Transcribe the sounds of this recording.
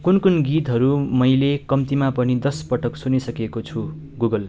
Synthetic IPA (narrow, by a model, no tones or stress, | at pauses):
kunkunɡit̪ɦʌɾumʌjlekʌmt̪imapʌnid̪ʌspʌʈʌksunisʌkekot͡sʰu | ɡuɡʌl